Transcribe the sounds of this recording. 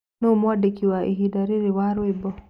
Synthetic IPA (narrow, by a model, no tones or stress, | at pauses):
nomwadekiwaʔiɦidaɾeɾewaɾwebɔ